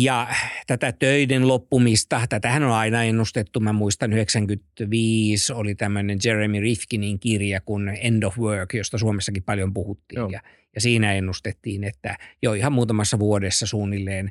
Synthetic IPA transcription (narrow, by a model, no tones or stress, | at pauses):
jɑt̪æt̪æt̪øidenlopːumist̪ɑt̪æt̪æhænolɑinɑenːust̪et̪ːumæmuist̪ɑnyheksæŋkyt̪ʋiːsolit̪æmːønend͡ʒeremirifkiniŋkirjɑkunendofwøːkjost̪ɑsuomesːɑkippɑljompuhut̪ːḭːjɑ | jɑsiːnæenːust̪et̪ːiːnet̪ːæ̰joihɑmmuːt̪ɑmɑsːɑʋuodesːɑsuːnːilːeːn